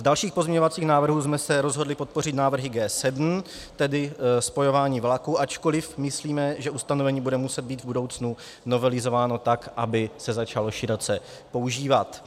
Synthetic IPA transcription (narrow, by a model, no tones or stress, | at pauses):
vdalʃiːxpozɲɛɲovat͡siːxnaːvr̩ɦuːsmɛsɛɾo̞zɦo̞dlɪpo̞t̪̚po̞r̝ɪt̪naːvr̩ɦɪɡɛːsɛdm̩ | t̪ɛdɪspo̞jo̞vaːɲiːvlakuʔat͡ʃko̞lɪfmɪsliːmɛʒɛʔust̪ano̞vɛɲiːbudɛmusɛd̪̚biːd̪vbudo̞wt͡snu | no̞vɛlɪzo̞vaːno̞t̪akʔabɪsɛzat͡ʃalo̞ʃɪɾot͡sɛ | po̞uʒiːvat̪